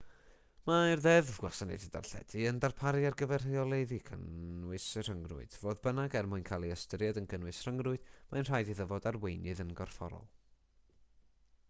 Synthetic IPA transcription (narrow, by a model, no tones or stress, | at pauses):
marðɛðɡwasanḛdɪda̰rɬɛ̰d̥iəndarpʰaɾjarɡəvɛrreɔlˠejðikʰə̰nwɪsr̥əŋrʊ̰ɨd̥voːðbənaɡɛrmʊɨnkʰalˠiəstəɾjadənɡənwɨsr̥əŋrʊɨd̥manr̥aːjdiðəvɔdarwejnɨðənɡɔrfɔɾɔ̰lˠ